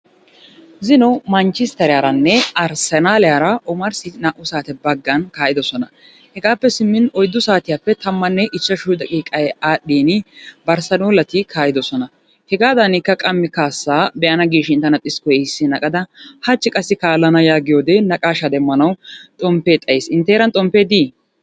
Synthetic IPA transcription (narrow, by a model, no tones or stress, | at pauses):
zɪnɔmɐnt͡ʃːɪst̪ːɐɾjaːɾɐnːɛɐɾsɛnaːlɪjaːɾɐɔmɐɾsɪnaːʔʊsaːt̪ɛbɐɡːɐnkaːjɪd̪ɔsɔnɐ | hɛɡaːpːɛsɪmːɪnɔjd̪ːʊsaːt̪ɪjaːpːɛt̪ɐmːɐnːɛʔɪt͡ʃːɐʃʊd̪ɐkʼiːkʼɐjɛaːɗːiːnɪbɐɾsɐnuːlɐt̪ɪkʰaːjɪd̪ɔsɔnɐ | hɛɡaːd̪ɐnɪkːɐkʼɐmːɪkaːsːaːbɛʔɐnɐɡiːʃɪɪnt̪ːɐnɐt̪ʼːɪskɔjesːɪnɐkʼɐd̪ɐhɐt͡ʃːɪkʼɐsːɪkaːlːɐnɐjaːɡɪjoːd̪enɐkʼaːʃɐd̪ɛmːɐnɐwt̪ʼɔmpeːt̪ʼɐjeːsɪnt̪ːeːɾɐnt̪ʼɔmpːeːd̪iː